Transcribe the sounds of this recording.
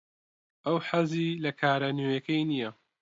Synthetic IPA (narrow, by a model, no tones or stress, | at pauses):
ʔɐwħɐziːlɐkʰaːɾɐnujɐkɐjnijɐ